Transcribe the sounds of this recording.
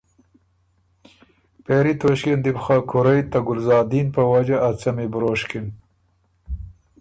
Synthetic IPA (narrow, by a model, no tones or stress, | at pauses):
peɾit̪oʃkend̪ɪbxɑkʰʊɾajt̪aɡʊlzɑːd̪inpəwad͡ʒaʔat͡samebɾoːʃkin